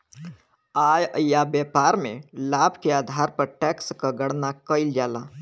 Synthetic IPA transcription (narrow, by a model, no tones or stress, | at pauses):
ajəjabjɛːpaɾmẽlaːbʱkeaːd̪ʱaɾpəɾʈɛkskəɡəɽnakəɪld͡ʒaːla